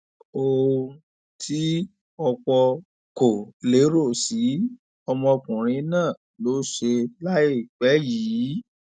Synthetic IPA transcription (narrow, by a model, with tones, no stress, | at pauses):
o˧ | tʰi˦ | ɔ˧k͡pɔ˧ | ko˨le˨˦ɾo˦˨si˨˦ | ɔ˧mɔ̃˧kũ˨ɾ̃ĩ˨˧˦nãː˦˨ | lo˨˦ʃe˧la˦e˦˨k͡pɛ˨˦jiː˨˦